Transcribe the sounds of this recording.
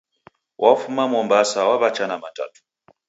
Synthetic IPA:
wʔafumamɔmbasawaβat͡ʃanamata̰tu̥

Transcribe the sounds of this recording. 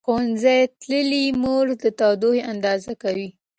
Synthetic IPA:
xonzajt̪ləlimoɾd̪ət̪ɑd̪oheʔand̪ɑzakawi

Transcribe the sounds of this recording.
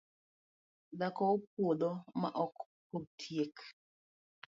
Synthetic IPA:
dakɔop̚wod̪ɔma̰ʔɔk | potʰjek

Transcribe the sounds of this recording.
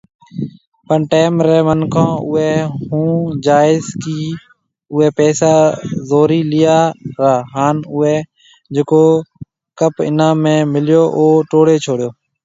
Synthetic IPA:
pəɳʈeːmɾeːmənkʰãːʊeːhũːd͡ʒaːɪzkiː | ʊeːpɛːsaːzoːɾiːlɪjaːɾaːɦaːnʊeː | d͡ʒeːkoː | kəpɪ̰nãːmẽːmɪljoːʔoːʈoːɽeːt͡ʃʰoːɽjoː

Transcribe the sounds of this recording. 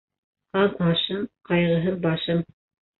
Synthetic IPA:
qɑðmɑʃɤmqɑjʁɤ̆ɦɤmbɑʃɤm

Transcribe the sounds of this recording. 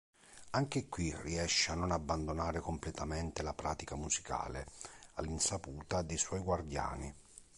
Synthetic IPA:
aŋk̟ɪkwirːiɛʃːeanːonabːand̪onaːɾɪkomplɛt̪ament̪elapɾaːt̪ikamuzika̰ːlea̰lːinsapuːt̪ad̪ejswɔjɡward̪ja̰ːni

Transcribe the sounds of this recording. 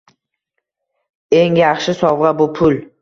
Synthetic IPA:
eŋjaχʃɪsɒwʁɑbʊpʰʊl

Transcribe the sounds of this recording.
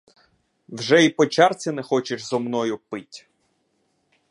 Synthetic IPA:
wʒɛipɔt͡ʃɑrt͡sʲinɛxɔt͡ʃɪʒzɔmnɔjʊpɪtʲ

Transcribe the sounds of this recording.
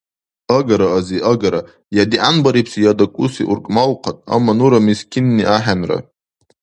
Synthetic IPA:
aɡaɾaːziʔaɡaɾa | jadiʔanbaɾipʰsijadakʷʼusiʔṵrkʼmalqʰatʼa̰mːanuɾamiskʲʰinːiʔaħanra̰

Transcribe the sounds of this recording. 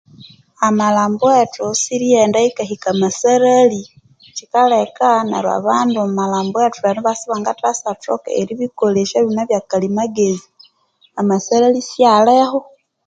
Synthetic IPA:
amalaːmbwetusiɾijendaikahikamasaɾali | t͡ʃikalekana̰ɾwa̰βaːndammalaːmbwetuβaniβasiβaŋɡatasatoka̰eɾiβikoleʃaβinaβjakalimaɡezi | amasaɾalisjaleho

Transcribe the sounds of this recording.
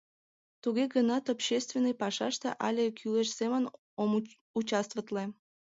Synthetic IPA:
t̪uɣeɡənɑt̪opɕest̪vʲenːɨjpɑʃɑʃt̪ḛʔɑlʲekʰyleʃsemən | ut͡ɕɑst̪vət̪lĕ

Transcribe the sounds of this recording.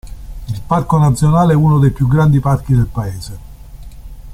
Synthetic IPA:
ilparkonat̪sːjonaːleɛunod̪ejpjuɡːɾand̪ipark̟id̪elpaeːze

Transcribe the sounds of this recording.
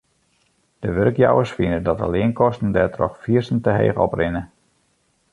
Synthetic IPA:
d̥əʋørkja̰wəsfinədɔtə̰lɪənkɔstn̩dɛtrɔ̰xfiərsn̩təɦḛːɣɔ̰prɪnə

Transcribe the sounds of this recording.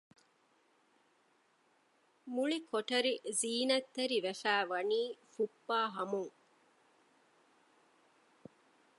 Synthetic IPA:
muɭikʰoʈɐɾiziːnɐt̪ːɐɾiʋɐfæːʋɐniːfupːaːɦɐmuŋ

